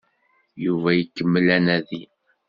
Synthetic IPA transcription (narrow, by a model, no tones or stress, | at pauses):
juvæjəkːəmːəlænæði